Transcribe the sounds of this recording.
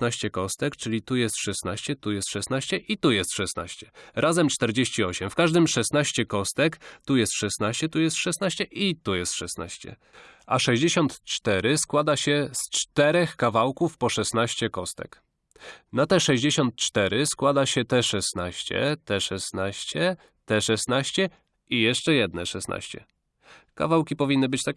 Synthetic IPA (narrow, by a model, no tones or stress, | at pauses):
naɕt͡ɕɛkɔst̪ɛkt͡ʂɘlʲit̪ujɛst̪ʂɛsnaɕt͡ɕɛt̪ujɛst̪ʂɛsnaɕt͡ɕɛʔit̪ujɛst̪ʂɛsna̰ɕt͡ɕɛɾʔazɛmt͡ʂt̪ɛɾd͡ʑeɕt͡ɕiɔɕɛmfkaʐd̪ɘmʂɛsnaɕt͡ɕɛkɔst̪ɛkt̪ujɛst̪ʂɛsnaɕt͡ɕɛt̪ujɛst̪ʂɛsnaɕt͡ɕɛʔit̪ujɛst̪ʂɛsna̰ɕt͡ɕɛ̰ | ʔaʂɛʑd͡ʑeɕɔnt̪t͡ʂt̪ɛɾɘskwad̪aɕɛst͡ʂt̪ɛɾɛxkavawkufpɔʂɛsnaɕt͡ɕɛkɔst̪ɛ̰k | nat̪ɛʂɛʑd͡ʑeɕɔnt̪̚t͡ʂt̪ɛɾɘskwad̪aɕɛt̪ɛʂɛsnaɕt͡ɕɛ̰t̪ɛʂɛsnaɕt͡ɕɛ | t̪ɛʂɛsnaɕt͡ɕɛ | ijɛʂt͡ʂɛjɛd̪nɛʂɛsnʔa̰ɕt͡ɕɛ̰ | ka̰vawkʲipɔvʲinːɘbɘt͡ɕt̪a